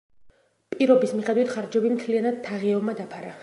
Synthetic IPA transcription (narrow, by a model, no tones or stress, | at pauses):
pʼiɾɔbismiχɛd̪wit̪ʰχaɾd͡ʒɛbimt̪ʰlianad̪̥t̪ʰːaʁiɔbmad̪apʰaɾa